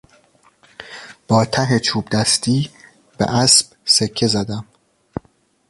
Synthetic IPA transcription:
b̥ɒːt̪ʰæɦet͡ʃʰuːbd̪æst̪ʰiː | b̥ḛʔæsb̥sekʰːe̞zæd̪æm

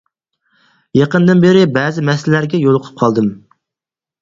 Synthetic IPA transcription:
jɑqənd̪ɨnbeɾɪbɛːzɪmɛsɪllæɾɡʲɛjolˠʊqʰʊ̥p̚qʰɑlˠd̪ɨm

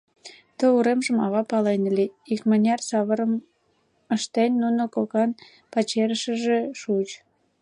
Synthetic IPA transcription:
t̪əuɾemʒəmɑβɑpɑlenəliikmənʲɑrsɑβəɾəm | əʃt̪enʲːunokokɑn | pɑt͡ɕeɾəʃəʒeʃut͡ɕ

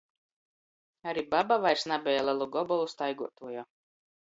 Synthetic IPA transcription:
aɾibabavajɾsnabʲɛjalˠalˠuɡɔbɔlˠust̪ajɡuɔt̪uɔjɔ

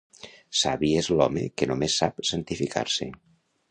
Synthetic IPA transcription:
saβiezlɔmḛkenomesːapsant̪ifikʰa̰ɾse

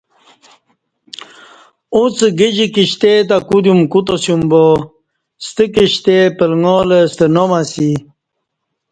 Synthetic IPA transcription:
ut͡səɡid͡ʑikiɕt̪et̪̬akud̪jumkut̪osumbo | st̪əkiɕt̪epəlŋolest̪ənomasi

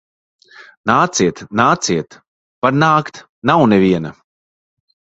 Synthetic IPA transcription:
naːt̪siɛt̪naːt̪siɛt̪ | paɾnaːkt̪ | nawnevʲiɛna

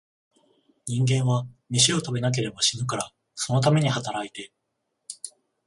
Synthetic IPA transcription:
ɲ̟ĩŋɡẽ̞ɰ̃βamʲiɕio̞t̪abe̞nak̬e̞ɾe̞baɕinɯ̟kaɾa | so̞no̞t̪̬ame̞ɲ̟ihat̪aɾait̪e̞

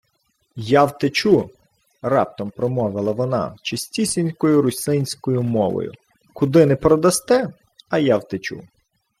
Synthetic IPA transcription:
jawt̪et͡ʃu | ɾɑp̚t̪ɔmpɾɔmɔʋɪlˠɐʋɔnɑ̰t͡ʃɪsʲtʲisʲɪnʲsʲkɔjʊɾʊsʲɪnʲsʲkɔjʊmɔʋɔ̰jʊ̰ | kʊd̪ɪnɛpɾɔd̪ɐst̪ɛ | ɐjɑwt̪et͡ʃṵ

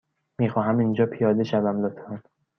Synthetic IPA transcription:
miːxɒːɦæmind͡ʒɒːpʰijɒːd̪eʃævæmlot̪ʰɑn

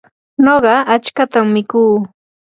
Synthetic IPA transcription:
noɢɑat͡ʃkat̪aŋːɪkuː

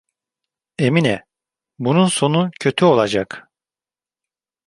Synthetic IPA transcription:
eminɛ | bununso̞nucʰø̞t̪ʰyo̞lˠad͡ʒak

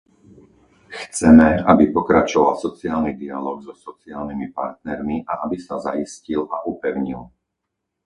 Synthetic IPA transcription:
xt͡sɛmɛabipɔkɾat͡ʃɔʋalsɔt͡siaːlnid̪ialɔːɡzɔsɔt͡siaːlnimipa̰ɾt̪̚nɛɾmiʔaʔabisazaiscilʔaʔupɛʊɲil

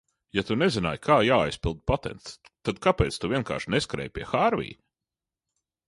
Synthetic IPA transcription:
jat̪unezinaːjkʰaːjaːajspilˠd̪̚pat̪ɛ̰nt̪st̪ad̪kapɛːt̪st̪uviɛnka̰ːɾʃneskaɾɛ̰ːjpʲiɛxaːɾvʲḭj

